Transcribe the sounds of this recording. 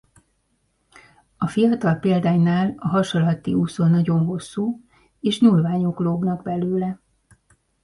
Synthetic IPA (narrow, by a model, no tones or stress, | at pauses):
ɒfijɒt̪ɒlpeːld̪aːjnaːlɒɦɒʃolːɒt̪iuːsonːɒɟo̞nɦo̞sːuː | eːʃɲulvaːɲo̞kloːbnɒɡbɛløːlɛ